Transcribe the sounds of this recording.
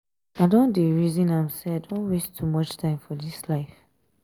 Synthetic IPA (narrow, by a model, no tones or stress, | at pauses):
aɪdõndeɹizĩnãɪ̃mseadõnwestʰumʌt͡ʃtʰãɪ̃mfɔdislaɪf